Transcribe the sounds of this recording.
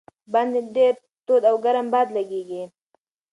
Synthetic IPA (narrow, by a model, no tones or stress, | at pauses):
band̪eɖeɾ | t̪od̪awɡaɾambɑd̪laɡeɡi